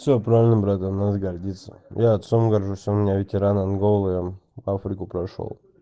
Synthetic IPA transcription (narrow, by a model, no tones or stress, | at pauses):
fsʲopɾavʲɪlʲnəmbɾat̪anad̪əɡɐrdʲit̪sə̰jʔaːt̪somɡɐrʐusʲəʊmɪnʲavʲɪtʲɪɾananɡolˠjavafɾʲɪkʊpɾɐʂo̰lˠ